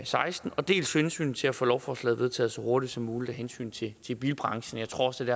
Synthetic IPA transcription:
sɑ̈ɪsd̥n̩ɒ̽d̥e̝̰ːlsensy̰ːn̩t͡sʰe̝læfo̰ːlɒʊfɒslɛ̰ð̩ˠʋe̝ðˠt͡sʰɛ̰ːðˠsɒ̽ho̝ɐdid̥sɒ̽mːuːlid̥æɦensy̰ːn̩t͡sʰe̝t͡sʰe̝b̥iːlb̥ʁɑ̈ŋɕn̩jɑ̈ɪt͡sʰʁo̝ɐ̰ɒd̥e̝dæɐ

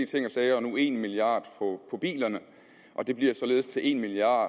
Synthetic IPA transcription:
t͡sʰe̝ŋ̰ɒ̽sɛːɪɒ̽nue̝ːnmiliɑ̰̈ːd̥pʰɒpʰɒ̽b̥ḭːlɐnə | ʔɒ̽d̥e̝b̥liɐ̰sɒ̽le̝ːðˠst͡sʰe̝lʔe̝̰nmiliɑ̰̥̈ː

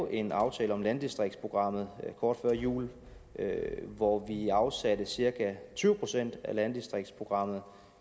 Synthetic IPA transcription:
ʔe̝nɑ̈ʊt͡sʰɛːləɒ̽mlænd̥isd̥ʁeɡ̚dspʰʁo̝ɡ̥ʁɑ̈m̰ð̞̩ˠkʰɒːd̥fɶɐ̰jṵːl | ʋɒʋiɑ̈ʊsæd̥əsiɐɡ̥ʰæt͡sʰyːʊəpʰʁo̝sen̰d̥ælænd̥isd̥ʁeɡ̥̚d̥spʰʁo̝ɡ̥ʁɑ̈m̰ð̩ˠ

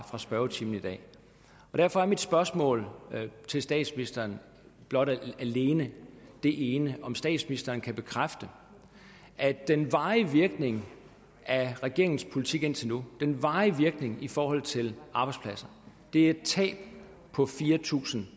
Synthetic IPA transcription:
fʁɑ̈sb̥ɶɐʊt͡sʰiːmn̩id̥ɛ̰ː | ɒ̽ɾ̥æɐfɒ̽æɐmid̥sb̥ɶɐsmɔ̰̽ːlt͡sʰe̝lsd̥ɛ̰ːd̥sminisd̥ɐːn | b̥lɒ̽ɾ̥æle̝ːnəd̥e̝ʔe̝ːnəʔɒ̽msd̥ɛ̰ːd̥sminisd̥ɐːnkʰæb̥e̝kʰʁafd̥ə | ʔæ̥enʋɑ̈ːiʋiɐɡ̥ne̝ŋ | æʁɛɡ̥e̝ɐe̝ŋn̩spʰo̝lit͡sʰiɡ̥e̝n̰t͡sʰe̝lnud̥enʋɑ̈ːiʋiɐɡ̥ne̝ŋifɒːhɒ̽l̰t͡sʰe̝lʔɑ̈ːb̥ɑ̈ɪdspʰlæsɐ | d̥e̝æe̝d̥̚t͡sʰɛ̰ːb̥ | pʰɒ̽fiːɐt͡sʰṵːsn̩

